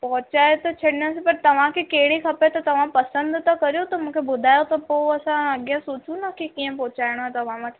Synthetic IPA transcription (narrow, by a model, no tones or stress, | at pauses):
pɔːt͡ɕaːet̪ot͡ɕʰɐɽɪnəsepɐɾt̪ɐʋ̤ãkʰekɐɦɪɽixɐpet̪ɐt̪ɐʋ̤ãpɐsə̃nd̪t̪ɐkɐɾijot̪ɐmũːkʰebʊd̪ʱaːjot̪ɐpoːɐsãɐɠjə̃suːt͡ɕunɐkʰekiːə̃pɔːt͡ɕaːɪɽ̃ãt̪ɐʋ̤ãʋɐt̪ʰ